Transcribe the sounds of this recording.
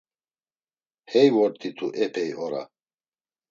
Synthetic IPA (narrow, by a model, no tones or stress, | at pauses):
hɛjwɔɾt̪ʰʼit̪ʰuʔɛpʰɛjɔɾa̰